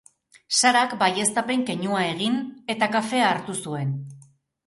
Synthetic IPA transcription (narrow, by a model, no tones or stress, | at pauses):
saɾakbaje̞st̪ape̞ŋke̞ɲuae̞ɣ̞ine̞t̪akafe̞aːɾt̪usue̞n